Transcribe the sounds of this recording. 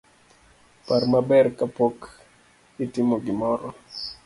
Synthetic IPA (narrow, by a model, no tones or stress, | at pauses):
parmabɛrkapok | itɪmoɡɪmɔɾɔ